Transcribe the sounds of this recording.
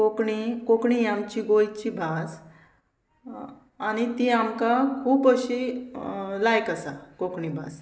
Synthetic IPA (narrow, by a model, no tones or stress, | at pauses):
kokɳikokɳiamt͡ɕiɡojt͡ɕibʱas | añit̪iamkakʰuːpəɕi | lajkasakokɳibʱa̰s